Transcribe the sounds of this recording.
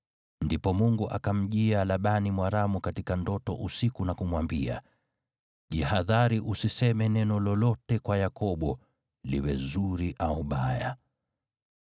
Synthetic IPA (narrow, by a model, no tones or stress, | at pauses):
ndipɔmuŋɡuʔa̰kam̩ʄialaɓanimwaɾamukatikandɔtɔ̰ʔusikunakumwambia̰ | ʄihaðaɾiʔusisɛmɛnɛnɔlɔlɔtɛkwajakɔɓɔ | lḭwɛzuɾiʔauɓaja̰